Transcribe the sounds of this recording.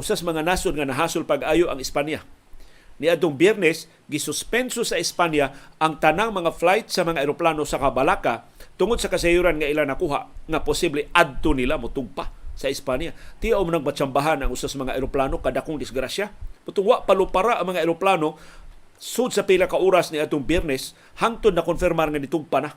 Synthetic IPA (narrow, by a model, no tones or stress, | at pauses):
ʔʊsasamaŋanasʊdŋanaɦasʊlpaɡʔajʊʔaŋɪspanja | niad̪̚t̪ʊŋbjɛɾnɛs | ɡɪsʊspɛnsosaɪspanjaʔaŋt̪anaŋmaŋaflajt̪samaŋaɪɾoplanosakabalaka | t̪ʊŋʊd̪sakasajuɾanŋailanakuɦa̰ʔŋapʊsiblead̪̚t̪ʊnilamʊt̪ʊɡ̚pasaɪspanjat̪ijaʔwmanaŋpat͡ʃambaɦanaŋʊsasamaŋaʔeɾoplanokadakʊŋdɪsɡɾasjamʊt̪ʊŋwaʔpalʊpaɾaʔaŋmaŋaeɾoplano | sʊd̪̚sapilakaʔuɾasniad̪t̪ʊŋbɛrnɛs | hant̪ʊd̪nakonfɪɾmarŋanit̪ʊɡ̚pana